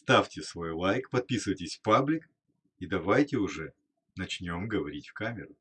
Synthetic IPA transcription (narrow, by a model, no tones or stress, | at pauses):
st̪afʲtʲɪsvo̞jlˠajkpɐt̪̚pʲisɨvəjtʲɪsʲfpablʲɪk | id̪ɐvajtʲɪʊʐɛ | nɐt͡ɕnʲo̞mɡəvɐɾʲitʲfkamʲɪɾʊ